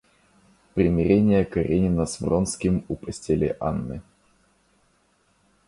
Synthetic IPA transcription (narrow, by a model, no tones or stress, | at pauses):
pɾʲɪmʲɪɾʲenʲɪjəkɐɾʲʔenʲɪnəsvronskʲɪmʊpəsʲtʲelʲɪ̰ʔa̰nːɨ̰